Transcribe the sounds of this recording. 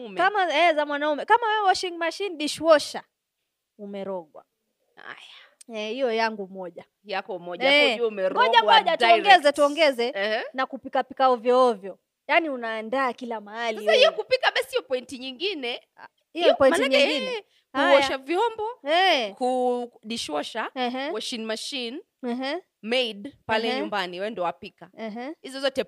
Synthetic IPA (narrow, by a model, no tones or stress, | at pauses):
mkamaɛzamwanaumɛkamawɛwɛwɔʃiŋɡmaʃiniɗiʃwɔʃa | umɛɾɔɠwa̰ | ha̰ja | ɛhijɔjaŋɡumɔʄa | jakɔmɔʄaɛumɛɾmɔʄawɔʄatuɔŋɡɛzɛtuɔŋɡɛzɛnakupikapikaɔvjɔɔvjɔ | janiunaːndaːkilamahalsaisahijɔkupikaɓasihijɔpɔintiɲiŋɡinɛ | ijɔɔpɔĩnmantaɲɛɡin | kuɔʃavjɔmbɔɛkuɗiʃɔʃawɔʃinmaʃin | ɦ̩ | mɛiɗpalɛɲumbaniwɛwɛndɔwapikaɦ̩hizɔzɔtɛ